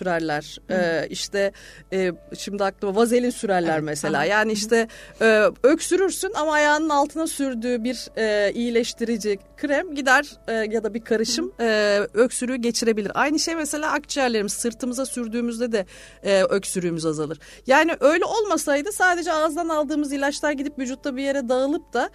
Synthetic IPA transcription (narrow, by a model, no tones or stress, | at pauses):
yɾæɾlʲæɾ̥ɛːiʃt̪ʰɛɛːʃimd̪iak̚lˠɯmavaze̞lʲinsyɾæɾlʲæɾmese̞lʲa̰ːjaːniiʃt̪ʰɛɛːøcsyɾyɾsynamaːjaːnɯnalˠt̪ʰɯnasyɾd̪yːbiɾɛːijilʲɛʃt̪ʰiɾid͡ʒikʰɾɛmɟid̪æɾ̥ɛjad̪abiɾkʰaɾɯʃɯmɛːø̞csyɾyjyɟe̞t͡ʃʰiɾe̞bilʲiɾʔa̰jnɯʃe̞jmese̞lʲaːʔakt͡ʃijæɾlʲeɾimizsɯɾt̪ʰɯmɯzasyɾd̪yːmyzd̪ɛd̪ɛ | ɛːʔø̞csyɾyːmyzazalˠɯɾ̥ | jaːniʔø̞jlʲɛo̞lˠmasajd̪ɯsaːd̪e̞d͡ʒɛazd̪analˠd̪ɯːmɯzilʲat͡ʃlʲˠaɾɟid̪ipvyd͡ʒut̪ʰːabije̞ɾɛd̪aɯlˠɯp̚t̪a